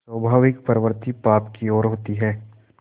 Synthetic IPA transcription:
səbʱaːʋɪkpɐɾəʋəɾt̪ipaːpkiɔːɾɦoːt̪iɦɛː

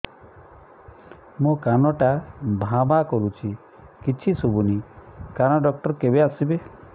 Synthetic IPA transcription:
mũkanɔʈabʱãbakɔɾut͡ʃʰi | kit͡ʃʰisobunikañɔɖɔk̚ʈɔɾkebeasibe

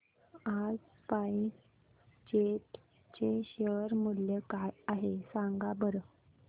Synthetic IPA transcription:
ad͡z | pai | t͡ɕeʈ | t͡ɕeɕəɾmuljəkajaɦesãŋɡabəɾə

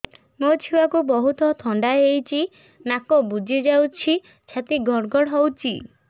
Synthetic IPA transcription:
mot͡ʃʰiwakubɔɦut̪ɔt̪ʰɔɳɖaeejt͡ʃʰi | nakɔbud͡ʒʱid͡ʒawt͡ʃʰi | t͡ʃʰat̪iɡʱɔɽɡʱɔɽɦɔwt͡ʃʰḭ

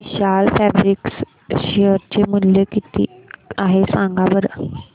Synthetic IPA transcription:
ɕalfæbɾiks | ɕeəɾt͡ɕemunljəkit̪ḭːaɦesãŋɡaʋəɾ

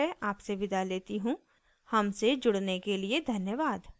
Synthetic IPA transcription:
ɛʔaːpseʋɪd̪aleːt̪iɦũː | hɐmsed͡ʒʊɽnekelied̪ʱɐnjəʋaːd̪

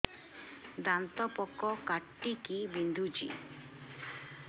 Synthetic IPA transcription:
d̪ant̪ɔpɔkɔkaʈːikibind̪ʱud͡ʒḭ

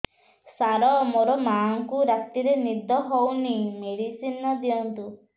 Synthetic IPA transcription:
saɾɔmoɾɔmaŋkuɾak̚t̪iɾenid̪ɔɦownimeɽisinɔd̪iɔnt̪u

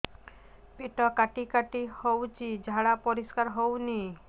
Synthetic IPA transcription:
peʈɔkaʈikaʈihowt͡ɕid͡ʑʱaɽapoɾiskaɾɦowni

